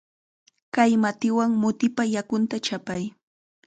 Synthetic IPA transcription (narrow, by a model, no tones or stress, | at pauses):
kajmat̪ɪwaŋmʊt̪ɪpajakʊnt̪at͡ʃapaj